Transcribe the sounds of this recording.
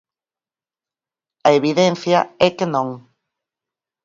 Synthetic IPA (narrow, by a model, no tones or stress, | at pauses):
ɐeβ̞iðɛn̟θjɐɛkenõŋ